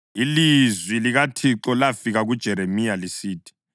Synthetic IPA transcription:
ilizwiliɣatʰiǁɔlafiɣaɣud̥ʒ̥ʱɛɾemijalisiːtʰʼi̥

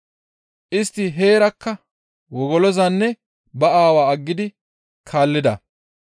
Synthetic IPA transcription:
ʔɪst̪ːɪɦe̞ːɾɐkːɐ | wɔɡɔlɔzɐnːɛ | bɐaːwaːɐɡːɪd̪ɪ | kʰaːlːɪd̪ɐ̰

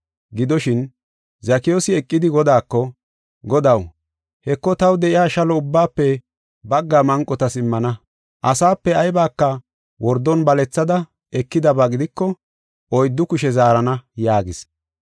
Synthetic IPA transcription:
ɡɪd̪ɔʃɪn | zɐkɪjoːsɪɛkʼːɪd̪ɪɡɔd̪aːkːɔ | ɡɔd̪ɐw | hɛkːɔt̪ɐwd̪ɛʔɪjaːʃɐlɔʊbːaːpːɛ | bɐɡːaːmɐŋkʼːɔt̪ɐsɪmːɐnɐ | ʔɐsaːpːɛɐjbaːkːɐ | wɔɾd̪ːɔnbɐlɛt͡sːɐd̪ɐ | ɛkːɪd̪ɐbaɡɪd̪ɪkːɔ | ɔjd̪ːʊkʊʃɛzaːɾɐnɐjaːɡɪs

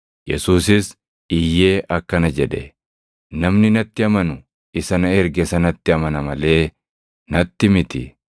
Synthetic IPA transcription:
jɛ̰suːsɪs | ɪjːe̞ːʔɐkːɐnɐd͡ʒɛᶑɛ̰ | nɐmnɪnɐt̪ːɪɐmɐnʊ | ɪsɐnɐɛɾɡɛsɐnɐt̪ːɪɐmɐnɐmɐle̞ː | nɐt̪ːɪmɪt̪ɪ

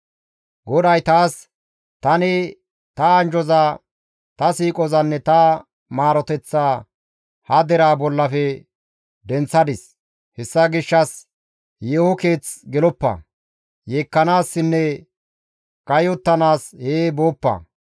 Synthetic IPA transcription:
ɡɔd̪ɐjt̪aːs | t̪ɐnɪ | t̪ɐːnd͡ʒɔzaː | t̪ɐsiːkʼɔzɐnːɛt̪ɐ | maːɾɔt̪ɛt͡sːaː | hɐd̪ɛɾaːbɔlːɐfɛ | d̪ɛnt͡sːɐd̪ɪs | hɛsːɐɡɪʃːɐs | jeːhɔke̞ːt͡sɡɛlɔpːɐ̰ | jeːkːɐnaːsːɪnːɛ | kʼɐjɔt̪ːɐnaːsheːbo̞ːpːɐ̰

